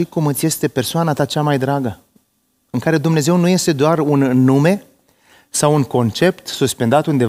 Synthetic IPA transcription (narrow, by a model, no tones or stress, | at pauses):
ikumɨt̪sʲje̞st̪e̞pe̞rsoanat̪at͡ʃamajd̪ɾaɡə | ɨŋkaɾe̞d̪umne̞ze̞wnuje̞st̪e̞d̪oarunːume̞ | sawuŋko̞nt͡ʃe̞pt̪suspe̞nd̪at̪und̪e̞